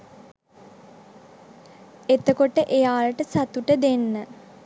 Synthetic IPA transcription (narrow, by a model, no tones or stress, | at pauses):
et̪əkoʈəʔejaːləʈəsat̪uʈəd̪enːə